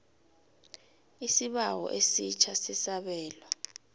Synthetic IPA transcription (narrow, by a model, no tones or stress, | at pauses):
isiɓawɔ̰ʔesit͡ʃʰasisaɓɛːlɔ